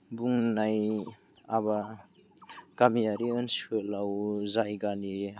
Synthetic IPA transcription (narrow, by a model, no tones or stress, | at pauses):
buŋnaj | aba | ɡ̥amijaɾiɯnselawzajɡani